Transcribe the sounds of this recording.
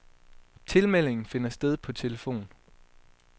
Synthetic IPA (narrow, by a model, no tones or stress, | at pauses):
t͡sʰe̝lmel̰e̝ŋn̩fe̝nɐsd̥eð̞ˠpʰɒ̽t͡sʰe̝ləfo̝̰ːn